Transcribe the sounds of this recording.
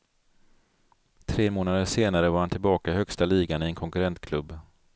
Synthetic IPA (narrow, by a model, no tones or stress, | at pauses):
t̪ʰɾeːmoːnad̪əʂeːnaɾəvaɾhant̪ʰɪlbɑːkaɪhœkst̪aliːɡanɪɛnkʰɔŋkɵɾɛnt̪kʰlɵbː